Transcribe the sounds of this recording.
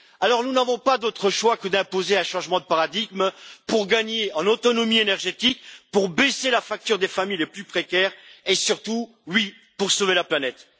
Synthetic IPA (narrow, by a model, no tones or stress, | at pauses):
alɔʁnunavɔ̃pad̪ot̪χəʃwakəd̪ɛ̃pozeɛ̃ʃɑ̃ʒmɑ̃d̪əpaʁad̪iɡmpuʁɡaɲeɑ̃not̪ɔnɔmienɛʁʒet̪ik̚puʁbeselafak̚t̪yʁd̪efamijleplypχekʲɛʁesyʁt̪u | wi | puʁsovelaplanɛt̪